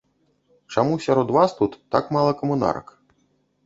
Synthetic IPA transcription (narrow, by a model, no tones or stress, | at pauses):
t͡ʂamusʲaɾɔd̪vast̪ut̪ːakmalˠɐkɐmuna̰ɾɐ̰k